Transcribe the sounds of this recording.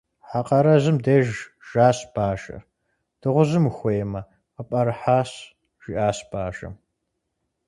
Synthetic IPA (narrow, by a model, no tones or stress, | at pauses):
ħaqʼɐɾɐzɨmdeːʒ | ʒ̥aːɕb̥aːʒɐ̰r | d̥ɨʁʷʊzɨmxʷejmɐ | ɐpʼɐɾħaːɕ | ʒ̥iʔaːsbaːʒɐ̰m